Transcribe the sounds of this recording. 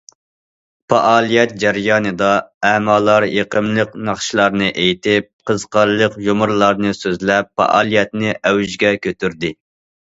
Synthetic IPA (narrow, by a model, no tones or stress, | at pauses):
pɑ̰ʔɑːlˠijɛt̪̚d͡ʒæɾjɑːnɨd̪ɑɛmɑːlˠɑɾjeqəmlˠəqnɑχʃilˠɑɾnɨʔejt̪ɪp̚qʰəzqɑɾlˠəqjomʊɾlˠɑɾnɨsøzlɛpfːɑ̰ʔɑ̰ːlˠijɛt̪nɪʔɛwyʒɡʲɛkʲʰøt̪yɾd̪ɪ